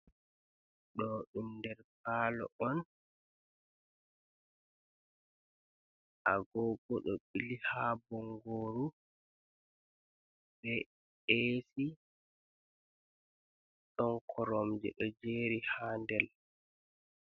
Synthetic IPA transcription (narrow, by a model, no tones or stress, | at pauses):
ɗɔɗundɛɾpaːlɔ̰ʔɔn | ʔaɡɔːɡɔɗɔɓilihabɔŋɡoːɾu | bɛ | esi | sɔnkʰɔɾɔmd͡ʒɛ̰ɗɔd͡ʒeːɾihaːndɛl